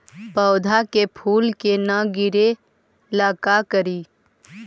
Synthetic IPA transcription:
pəːd̪ʱakepʰuːlkenaɡɪɾe | laːkakəɾiː

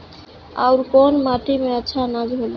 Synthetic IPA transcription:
a̰wɾkɔnmat̪imeətːʃʰanad͡ʒɦol

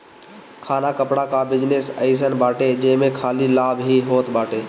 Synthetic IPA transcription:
kʰaːnakəpɽakabɪd͡ʒnesəɪs̬ənbaːʈed͡ʒəmekʰaːlilaːbɦiɦoːt̪baːʈe

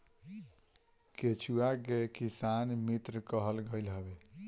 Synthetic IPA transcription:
ket͡ʃʰuakekisanmit̪ɾəkəɦəlɡəjlɦəbe

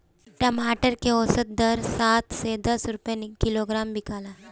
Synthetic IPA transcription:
tjamaʈəɾkeosət̪̚d̪əɾsat̪sed̪əsɾupjanikiloɡɾambikala

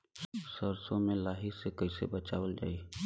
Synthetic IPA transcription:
səɾsõmẽlaːɦisekɐɪsḛbɐt͡ʃaːwəld͡ʒa̰ːiː

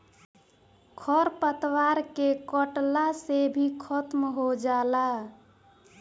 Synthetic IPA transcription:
kʰɔɾpət̪waɾkekəʈlasebʱikʰɔt̪mɦod͡ʒala

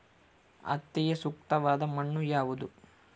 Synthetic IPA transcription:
ɐ̰t̪ːɛjesuk̚t̪ɐʋaːd̪ɐmɐɳːujaːʋud̪u

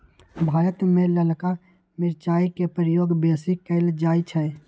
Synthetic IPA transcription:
bʱaːɾət̪mẽləlka | mɪɾt͡ʃaːikepɾəjoːɡbeːsikəɪld͡ʒaːit͡ʃʰɛ

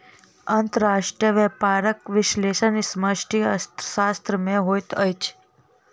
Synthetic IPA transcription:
ənt̪əɾaʂʈɾijəʋepaɾəkʋɪʃleʃənisməʃʈʰist̪ʃast̪ɾəmẽɦojt̪əjt͡ʃʰ

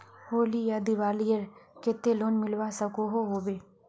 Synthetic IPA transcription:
hoːlijad̪ɪʋaːlijəɾket̪ːeloːnmɪlʋasəkoɦoɦoːbeː

